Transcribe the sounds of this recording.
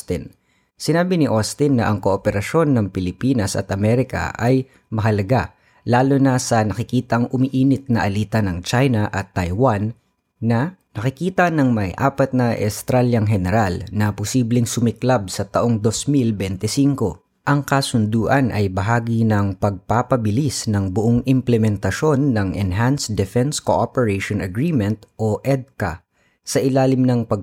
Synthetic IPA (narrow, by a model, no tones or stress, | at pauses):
st̪ɪn | sɪnaːbɪnɪʔost̪ɪnːɐʔɐŋkoʔopɛɾɐʃo̞nːɐŋpɪlɪpiːnɐsɐ̰t̪ʔɐmɛɾɪkɐ̰ʔɐj | mɐɦɐlɐɡa | laːlonɐsɐnɐkɪkiːt̪ɐŋʊmiʔiːnɪt̪̚nɐʔɐliːt̪ɐnɐŋt͡ʃajnɐʔɐt̪ːɐjwanː | ɐnɐkɪkiːt̪ɐnɐŋmɐjʔa̰ːpɐt̪̚nɐʔɛst̪ɾaljɐŋɦɛnɛɾalnɐpʊsiːblɪŋsʊmɪklab̚sɐt̪ɐʔoŋd̪o̞smilbɛnt̪ɪsiŋko̞ | ʔɐŋkɐsʊnd̪uːʔɐnʔɐ̰jbɐɦaːɡinɐŋpɐɡ̚papɐbɪlisnɐŋbʊʔoŋʔɪmplɛmɛnt̪ɐʃo̞nːɐŋʔɛ̰nɦansd̪ɛfɛnskoʔopɛɹeʃonɐɡɹiːmɛnt̪ʔoʔɛd̪̚kɐ | sɐʔɪlaːlɪmnɐŋpɐɡ̚